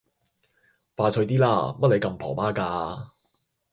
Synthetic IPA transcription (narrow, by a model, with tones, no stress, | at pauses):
faː˧sʰɵ˧ɥt̪̬iː˥laː˥˩mɐ˥t̚le˨˧jkɐ˧mpʰɔ̰ː˨˩paː˥kaː˧